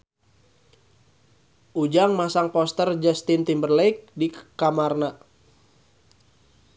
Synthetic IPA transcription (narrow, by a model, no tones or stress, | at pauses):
ud͡ʒaŋmasaŋpɔst̪ərd͡ʒast̪int̪imbərlɛjk̚dikamarna